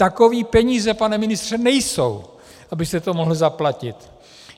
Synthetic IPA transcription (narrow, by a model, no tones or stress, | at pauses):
t̪ako̞viːpɛɲiːzɛpanɛmɪnɪst̪r̥ɛnɛjso̰w | ʔabɪst̪ɛt̪omoɦl̩zaplacɪt̪